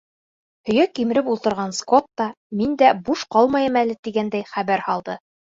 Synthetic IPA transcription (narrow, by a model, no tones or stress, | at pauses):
hɵ̆jækimɘ̆ɾɘpulˠt̪ɤ̆ɾʁɑnskot̪ːɑ | mind̪æbuʃqɑlˠmɑjɤmælɘt̪iɡænd̪æjχæβæɾhɑlˠd̪ɤ